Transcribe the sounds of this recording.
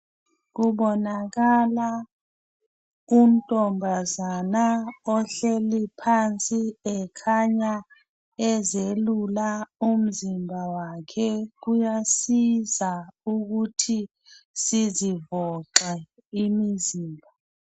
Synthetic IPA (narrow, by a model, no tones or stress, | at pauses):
k̬uɓɔnak̬ala | um̩tʼɔmbʱazanaɔɬelipʰant͡sʼiɛkʰaɲa | ɛzelulaum̩zimbʱawakʰɛk̬ujasizauk̬utʰi | sizivɔǁɛ | imiziːmbʱa